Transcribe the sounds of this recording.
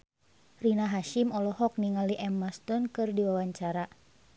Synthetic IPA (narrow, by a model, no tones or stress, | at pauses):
rinaɦaʃimɔlɔhɔk̚niŋaliʔɛmast̪ɔnkɨrdiwawaɲt͡ʃaɾa